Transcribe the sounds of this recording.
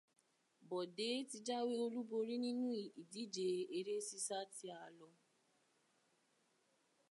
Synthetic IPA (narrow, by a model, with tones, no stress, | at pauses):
bɔ˨de˨˦ti˧d͡ʒa˦we˦o˧lu˦bo˧ɾi˦nĩ˦nũ˦i˨i˨di˨˦d͡ʒe˨e˧ɾe˦si˦sa˦ti˧a˧˨lɔ˧